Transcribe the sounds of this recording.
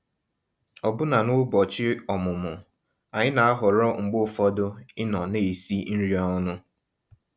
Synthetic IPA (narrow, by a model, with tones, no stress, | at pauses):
ɔ˨bʊ˦na˨nʊ˦bɔ˨t͡ʃɪ˦ɔ˨mʊ˨mʊ˨ | a˨ɲɪ˦na˨a˦ɦʊ˨ɾɔ˦ŋ͡m̩˨ɡ͡bo˦˨fɔ˦dʊ˦ɪ˦nɔ˨ne˨si˦n̩˦ɾi˨˦ɔ˦nʊ˦